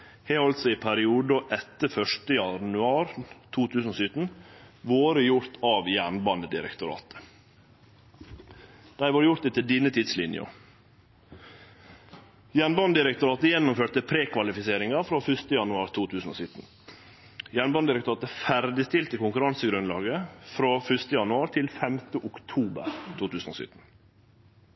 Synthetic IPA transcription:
heːhɔlt̪sɔɪpʰæɾɪuːd̪əʔɛt̪ːəfœʂtəjɑnʉɑːɾt̪ʰuːt̪ʰʉːsn̩oːsʏt̪n̩ʋoːɾəjʊɾt̪ʰɑːʋjæɳbɑnəd̪ɪɾɛ̰kt̪ʊɾɑ̰ːt̪ə̥ | d̪̥æɪʋɑːɾjʊɾt̪ɛt̪ɪd̪iːnət̪ʰɪd̪slɪnjə̰ | jænbɑnəd̪ɪɾɛk̚t̪ʊɾɑːt̪əjɛnːʊmføːt̪əpʰɾeːkʰʋɑlɪfɪseːɾɪŋɑɾfɾoːfʉst̪əjɑnʉɑːɾt̪ʰuːt̪ʰʉːsn̩o̰ːsʏt̪n̩ | jænbɑnəd̪ɪɾɛkt̪ʊɾɑːt̪əfæɾd̪ɪst̪ɪlt̪əkʊŋkʉɾɑnsəɡɾʉnlɑ̰ːɡəfɾoːfʏʂt̪əjɑnʉɑːɾt̪ʰɪlfɛmt̪əʔʊkt̪ʰuːbə̰ɾt̪ʰuːt̪ʰʉːsn̩o̰ːsʏ̰t̪n̩

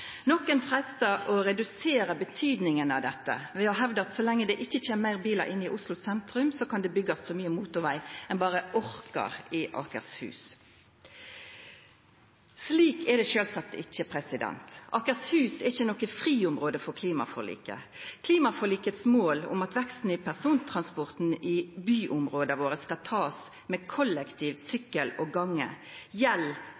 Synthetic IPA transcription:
nɔkːənfʁɛst̪əɔɾɛd̪ʉseːɾəbət̪ʰyːd̪nɪŋənɑʋd̪ɛt̪ːə̰ʋɛɔɦɛʋd̪əɑt̪sɔlɛŋːəd̪ɛʔɪçːəc͡çeːmmæɪʁbiːlə̰ɾʔɪnːɪʔʊslʊsɛnt̪ʁʉmsɔkʰɑnd̪ɛbʏɡɑssɔmyːəmuːt̪ʊʁʋæɪɛnbɑːʁəʔɔɾkɑ̰ʁɪʔɑ̰kə̰ʁshʉ̰ːs | sliːkʰɛd̪ɛʃøːlsɑk̚t̪ɪ̰c͡çːəpʰʁɛsɪd̪ɛ̰nt̪ʔɑːkəshʉːsɛʁɪçːənɔkːəfʁiːʊmʁoːd̪əfɔkʰliːmɑ̰fɔʁlḭːkə̰ | kʰliːmɑfɔʁliːkət̪smoːlʊ̰mɑt̪ʋɛkst̪n̩ɪpʰæʁsuːnt̪ʰʁɑnspɔʁt̪nɪbyːʔʊmʁoːd̪əʋoːʁəskɑlt̪ʰɑːs | mɛkʰɔlːɛkt̪ʰiːʋsʏkːəlɔɡɑŋːə̰ | jɛl

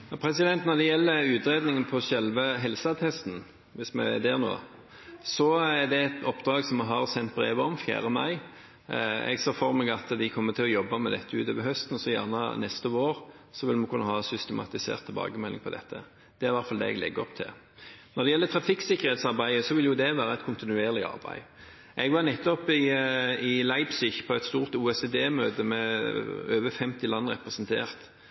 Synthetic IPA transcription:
jɑpʰɾɛsɪd̪ɛnt̪nɔɾd̪ɛjɛlːəʉːt̪ɾeːd̪nɪŋənpʰɔsɛlʋəɦɛlsət̪ʰɛst̪n̩ | ʋɪsmɛ̰d̪eːʁno̰ː | sɔæɾd̪ɛɛt̪ɔpːd̪ɾɑːɡsɔmɑɦɑɾsɛnt̪̚bɾḛːʋəɔmfjæ̰ːɾəmɑ̰ɪ | ɛ̰ɡsɔfɔɾmɛɡɑt̪d̪ɪkʰɔmːət̪ʰɪlɔjɔbːɑmɛd̪ɛt̪ʰːəʉːt̪ɔʋəhœst̪nɔsɔjæʁnə̰nɛst̪əʋoːɾ | sɔʋɪlmənkʰʉnːəhɑːsʏst̪ɛmɑ̰t̪ɪsḛːʁt̪ʰːɪlbɑ̰ːɡəmɛlːɪ̰ŋpʰɔd̪ɛ̰t̪ʰːə̰ | d̪̥ɛæɾʋæɾt̪fɑld̪ɛ̰ːɛ̰ɡlɛ̰ɡːəɔpt̪ʰɪ̰l | nɔɾd̪ɛjɛlːət̪ʰɾɑfɪksɪkːəɾheːt̪sɑʁbæɪəsɔʋɪljʊd̪ɛʋæːɾəɛt̪kʰʊnt̪ɪnʉeːʁlɪɑ̰ɾbæ̰ɪ | ʔɛɡʋɑɾnɛt̪ːɔpɪɪlɑɪbsɪçpʰɔɛt̪st̪uːʁt̪uːɛsed̪eːmøːt̪əmɛ | øːʋəfɛmt̪ɪlɑnːʁɛpɾɛsnt̪ʰḛːɾt̪

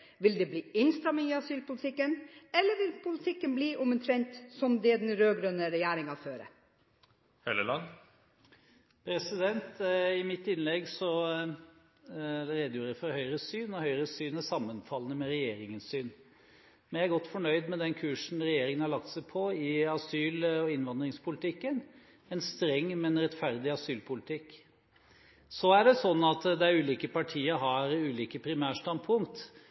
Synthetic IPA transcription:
ʋɪld̪ɛːbliːɪnst̪ɾɑmŋɪɑsyːlpʊlɪt̪ʰɪkːənɛlːəɾʋɪlpʰʊlɪt̪ʰɪkːənbliːʔʊmənt̪ʰɾɛnt̪sɔmd̪ɛd̪nɾøːɡɾœnəɾɛjæːɾɪŋɑføːɾə̰ | hɛləlɑn | pʰɾɛsɪd̪ɛnt̪ɪmɪt̪ːɪnlɛɡsɔ | ɾeːd̪əjuːɾəfɔɾhœʏɾəsyːnɔhœʏɾəsyːnæsɑmːənfɑlənəmɛɾɛjeːɾɪŋənsyːn | mɛnjæɾɡɔt̪ːfɔɳœʏd̪mɛd̪ɛnkʰʉːʂn̩ɾɛjeːɾɪŋənhɑɭɑk̚t̪sɛɪpʰɔɪɑsyːlɔɪnʋɑnd̪ɾɪŋspʰʊlt̪ɪkːən | ɛnst̪ɾɛŋːmɛnɾɛt̪fæɾd̪ɪɑsyːlpʰʊlɪt̪ʰɪkː | sɔæɖɛsɔnːɑt̪d̪ɛæɾʉːliːkəpɑʈʰiːəɾɦɑɾʉːliːkəpʰɾɪmæːʂt̪ɑnd̪pʰʊŋt̪

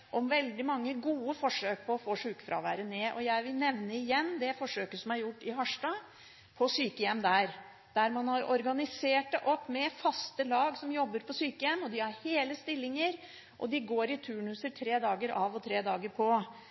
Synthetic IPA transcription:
ʔɔmʋɛld̪ɪmɑŋːəɡuːəfɔʂøːk̚pʰɔɔfoːʂʉːkfɾɑ̰ʋæːɾəneːʔɔjæɪʋɪlnɛʋnəɪjɛnːd̪ɛfɔʂøːkəsɔmæɾjʊʈːɪhɑʂʈɑː | pʰɔsyːkəjɛmːd̪æɾ | d̪̥æɾmɑnhɑɾɔɾɡɑnɪseːʈəʔɔpːmɛfɑst̪əlɑːɡsɔmjɔbːəɾpʰɔsyːkəjɛmːɔd̪ɪhɑɾheːləst̪ɪlːɪŋəɾ | ʔɔ̰d̪ɪɡoːɾɪt̪ʰʉːɳʉsət̪ʰɾeːd̪ɑːɡəɾʔɑʋɔt̪ʰɾeːd̪ɑːɡəɾpʰɔ

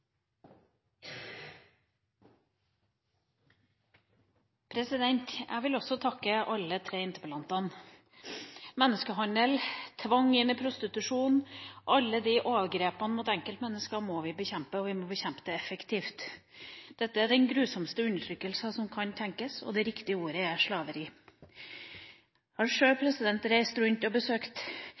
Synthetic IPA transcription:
pʰɾɛsɪd̪ɛnt̪jʔæ̰ɪɡʋɪlɔsɔt̪ʰɑkːəʔɑlːət̪ʰɾeːɪnt̪əpəlɑnt̪ɑn | mɛnːəskəɦɑnəlt̪ʰʋɑŋɪnəpʰɾʊst̪ɪt̪ʉʂuːnʔɑlːəd̪ɪʔoːʋəɡɾeːpənəmʊt̪ɛŋkəlt̪mɛnːəskəɾmɔʋɪbəçɛmpəɔʋɪmɔbəçɛmpt̪əɛfəkt̪ʰiːft̪ | d̪̥ɛt̪ːəæɖɛnɡɾʉːsɔmst̪əʉnːəʈʰɾʏkːəlsɑsɔmkʰɑnt̪ʰɛŋkəsɔ̰d̪ɛɾɪkt̪ɪəuːɾəæʂɭɑːʋəɾɪ | hɑɾʂøːpʰɾɛsɪd̪ɛnt̪ɾæɪst̪ɾʉnt̪ɔbəsøːkt̪

